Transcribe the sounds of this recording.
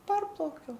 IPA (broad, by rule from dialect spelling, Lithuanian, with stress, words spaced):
ˈpɐrplˠɐʊkʲɛʊ